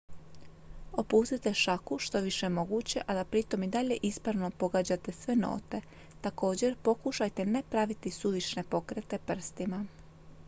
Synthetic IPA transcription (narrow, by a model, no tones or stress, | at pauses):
o̞puːst̪it̪e̞ʃakuʃt̪o̞ʋiʃe̞mo̞ɡuːt͡ɕe̞ʔad̪apɾit̪o̞mid̪aʎe̞ʔispɾaʋno̞po̞ɡaːd͡ʑat̪e̞sʋe̞no̰ːt̪e̞ | t̪ako̞ːd͡ʑe̞ɾpo̞kuʃajt̪e̞ne̞pɾaʋit̪isud̪it͡ʃne̞po̞kɾet̪e̞pr̩st̪ima